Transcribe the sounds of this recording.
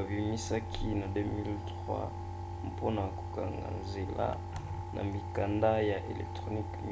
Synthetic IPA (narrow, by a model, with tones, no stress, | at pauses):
vi˨i˨ɲi˦sa˦kʰi˦na˨dø˦mi˦ltʁwa̰˦ | mpʰo˦na˨ko̥˨ka˨ŋɡa̰˨nze˨la̰˦ | nʔa̰˨mi˨ka˨nda˦ja˨ʔe˨lɛ˨k̚tχo˨ni˦km